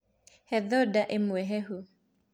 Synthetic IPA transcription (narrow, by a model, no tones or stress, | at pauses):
hɛðɔdaʔemwɛɦɛɦu